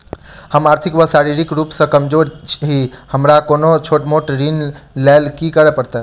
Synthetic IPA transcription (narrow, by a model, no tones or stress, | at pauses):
həmaɾt̪ʰikʋəsaɾiɾikɾupsə̃kəmd͡ʒoɾɦihəmɾakonot͡ʃʰoʈmoʈɾinlalkikəɾɛpəɾt̪ɛ